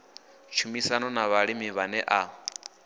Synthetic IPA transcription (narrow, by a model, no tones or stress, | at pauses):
t͡ʃʰumisanɔnaβaɺimiβanɛʔa